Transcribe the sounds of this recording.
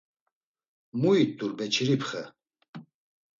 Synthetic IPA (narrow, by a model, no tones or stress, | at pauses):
muit̪ʼuɾbɛt͡ʃʰiɾipʰχə